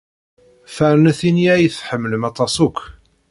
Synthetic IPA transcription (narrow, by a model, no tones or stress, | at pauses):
fæɾnæθiniæjθħəmːələmɑt̪ˤɑsˤukʷː